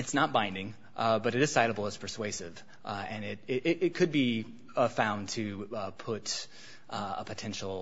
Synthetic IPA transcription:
ɨtsnət̚b̥ãɪ̃ndɪ̃ŋ | bʌɾɨɾɨz̥saɪɾəbl̩ˠəz̥pʰə˞sweɪsɪv | ɨ̃nɪɾɪɾɪɾɪt̚kʰɨd̚bi | fãʊ̃ntʰɨpʰʊɾ | ə̰pʰɨtʰɛ̃nʃl̩ˠ

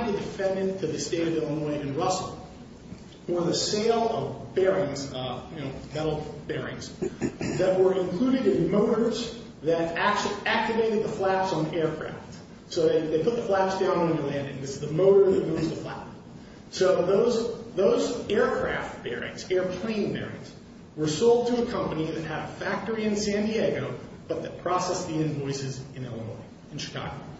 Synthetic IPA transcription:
ðɨdɨfɛ̃ndɨ̃ntʰɨðɨsteɪɾʌvɪlˠənɔ̃ɪ̃ɨ̃nɹʌsl̩ˠ | wə˞ðɨseɪlˠʌvbɛɹɪ̃ŋzjɨnoʊmɛɾl̩ˠb̥ɛɹɪ̰̃ŋz̥ðɨt̚wə˞ɨ̃nkʰl̥ʉɾɨɾɨ̃nmoʊɾə˞z | ðɨɾæk̚t͡ʃʉl̩ˠiæk̚tɨveɪɾɨd̪̚ðəflæpsn̩ɛɹkʰɹ̥æ̰ft | soʊðeɪðeɪpʰʊt̪̚ðəflæpsd̥ãʊ̃ñɪ̃nəlæ̃ndɪ̰̃ŋðɪsɨzðɨmoʊɾə˞ðɨt̚moʊzðəflæ̰p̚ | soʊðoʊzðoʊzɛɹkʰɹ̥æ̰ft̚b̥ɛ̰ɹɪ̰̃ŋz̥ɛɹpʰl̥ẽɪ̃nbɛ̰ɹɪ̰̃ŋz̥ | wə˞soʊlˠd̚tʰɨːkʰʌ̃mpɨniðɨt̚ɨɾɨfæk̚tə˞iɨ̃nsæ̃ndieɡoʊb̥ʌt̪̚ðɨt̚pʰɹ̥ɑsɛsðiɨ̃nvɔɪsɨzɨ̃nɛ̰lˠəmɔ̰̃ɪ | ɨ̃n̩ʃɨ̥kʰɑ̰ɡoʊ

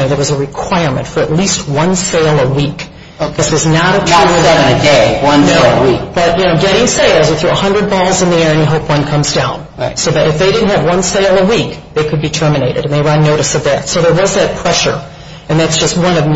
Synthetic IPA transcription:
ðə˞wʌzəɹɨkʰw̥aɪə˞mɨ̰̃ntfə˞ɨtˡlist̚wʌ̃nseɪlˠəwik | kʌzɨznəɾɨəəðɨɾɨ̃nɨdeɪwʌ̃nelˠəwik̚b̥ʌt̚jɨnoʊɡɛɾɪ̃ŋseɪlˠzə˞θɹuəhʌ̃ndɹɨd̚bɔlˠzɨ̃nðiɛɹɨ̃nɨɦoʊpwʌ̃nkʰʌ̃mzdãʊ̃n | soʊðɨɾɨfðeɪɾɪdⁿn̩tɨvwʌ̃nseɪlˠəwikðeɪkʰɨd̚bitʰɜ˞mɨneɪɾɨ̰ɾɨ̃n̩ðeɪwə˞ɨ̃nːoʊɾɨsʌvðætsoʊðə˞wʌzðɨt̚pʰɹ̥ɛʃə̰˞ | ɨ̃nðætsd̥ʒ̥ʌst̚wʌ̃nʌv

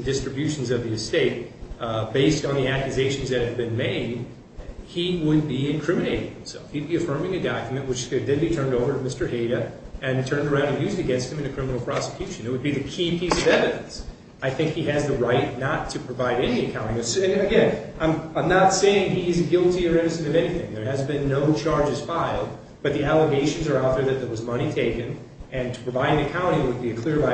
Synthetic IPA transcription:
ndɪstɹ̥ɨbjʉʃn̩zʌvðiɨsteɪt̚beɪstn̩ðiækjʉzeɪʃn̩zðɨt̚hɨvbɨ̃nmeɪd̚ | iwəd̚biɨ̃nkʰɹ̥ɪmɨneɪɾɪ̃ŋhɨ̃msɛ̰lˠfhid̚biɨfɜ̃˞mɪ̃ŋɨdɑkjmɨ̃nʔwɨt͡ʃɨdðɨ̃bitʰɜ̃˞ndoʊvə˞ɨmɪstə˞heɪɾɨɨ̃ntʰɜ̃˞ndə˞ãʊ̃ndɨ̃njʉzdɨɡɛ̃nst̚hɨmɨ̃nɨkʰɹ̥ɪ̃mənl̩ˠpʰɹ̥ɑsə̥kʰj̥ʉʃɨ̃nɨt̚wɨd̚biðɨkʰipʰisʌvɛvɨɾɨ̃ns | aɪθɪ̃ŋkhiɨzðɨɹaɪtⁿnətʰɨpʰɹ̥ɨvaɪɾɛniɨkʰãʊ̃ɾ̃ɪ̃ŋɨsɨ̃nɨɡɛ̃nãɪ̃mãɪ̃mnətseɪɪ̃ŋiɪzɡɪlˠtiə˞ɪ̃nɨsɨ̃ɾ̃ʌvɛniθɪ̰̃ŋðə˞ɨzbɨ̃nːoʊt͡ʃʰɑɹd͡ʒɨz̥faɪlˠd̚ | b̥ʌt̪̚ðiælˠəɡeɪʃɨ̃n̩zə˞ɔθə˞ðɨt̪̚ðəwʌzmʌɾ̃itʰeɪkɨ̃n | ɨ̃ntʰə̥pʰɹ̥ɨvaɪɾɨ̃ŋɨkʰãʊ̃ɾ̃ɪ̃ŋwɨd̚biɨkʰl̥ɪɹva

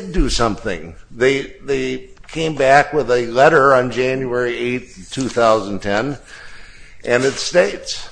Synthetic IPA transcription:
dɨsʌ̃mθɪ̰̃ŋðeɪðeɪkʰẽɪ̃mbækwəðɨlɛɾə˞ə̃nd͡ʒæ̃njuɛɹieɪt̪tʰʉθaʊzn̩tʰɛ̃n | ʔɨ̃nɨtsteɪts

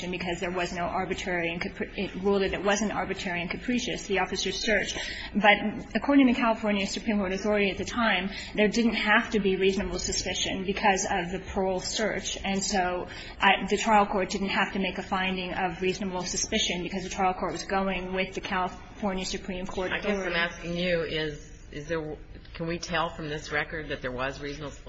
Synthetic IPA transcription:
ɨ̃nbɨkʰʌzðə˞wʌznoʊʔɑɹbɨtʰɹ̥ɛɹiɨ̃nkɨpʰɹ̥ɪt̚ɹulˠiðɨt̚wʌzɨ̃ntɑ̰ɹbɨtʰɛɹiɨ̃nkʰɨpʰɹ̥iʃɨsðiɔfɨsə˞z̥sɜ˞t͡ʃ | b̥ʌɾɨkʰɔɹɾɪ̃ŋtɨɨkʰælˠəfɔɹnjɨsɨpʰɹ̥ĩmkʰɔɹɾɨθɔɹɨɾiɨt̪̚ðɨtʰãɪ̃m | ðə˞dɪdⁿn̩t̚hæftɨbiɹiznɨbl̩ˠsɨspɪʃɨ̰̃nbɨkʰʌzʌvðɨpʰɔɹl̩ˠsɜ̰˞t͡ʃɨ̃nsoʊ | ʔðɨtʰɹ̥aɪl̩ˠkʰɔɹt̚d̥ɪdⁿn̩t̚hæftɨmeɪkɨfãɪ̃ndɪ̃ŋʌvɹiznəbl̩ˠsɨspɪʃɨ̃nbɨkʰʌzðɨtʰɹ̥aɪlˠkʰɔɹt̚wʌzɡoʊɪ̃ŋwɪðɨkʰælˠə | fɔɹnjɨsɨpʰɹ̥ĩmkʰɔɹɾɨaɪɡɛ̃mæskɪ̃ŋjʉɪz | ɪzðə˞ | kʰɨ̃nwitʰɛlˠfɹʌ̃mðɪsɹɛkə˞d̪̚ðɨt̪̚ðə˞wʌzɹiznəbl̩ˠ

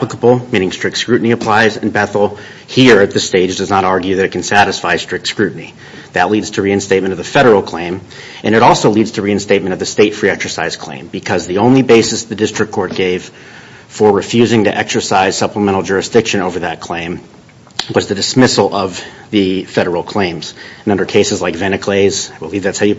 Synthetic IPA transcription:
æpləkəbl̩ˠmĩñɪ̃ŋstɹ̥ɪk̚tskɹʉʔn̩iɨpʰl̥aɪzɨ̃nbɛθl̩ˠ | hiɹɨt̪̚ðɨsteɪd͡ʒdʌznəɾɑɹɡjʉðɨɾɨt̚kʰn̩sæɾɨsfaɪstɹ̥ɪk̚tskɹʉʔn̩i | ðɨʔˡlidz̥tʰɨɹiɨ̃nsteɪmɨ̃ɾ̃ʌvðɨfɛɾə˞l̩ˠkʰl̥ẽɪ̃m | ɨ̃nɨɾɔlˠsoʊlidz̥tʰɨɹiɨ̃nsteɪt̚mɨ̃ɾ̃ʌvðɨsteɪtfɹiɛksə˞saɪz̥kʰl̥ḛ̃ɪ̃mbɨkʰʌzðiõʊ̃nlibeɪsɨsðɨdɪstɹ̥ɨkʰːɔɹt̚ɡ̥eɪv̥ | fə˞ɹɨfjʉzɪ̃ŋtɨʔɛksə˞saɪz̥sʌpləmɛ̃ɾ̃l̩ˠd͡ʒʊɹɨsd̥ɪkʃɨ̃ñoʊvə˞ðɨt̚kʰl̥ẽɪ̃m | wʌzðɨdɨsmɪsl̩ˠʌv | ðɨfɛɾə˞l̩ˠkʰl̥ẽɪ̃mz̥̃nʌ̃ndə˞kʰeɪsɨzlaɪkvɛñɨkʰl̥eɪz̥aɪbəlˠivðætshaʊjɨ

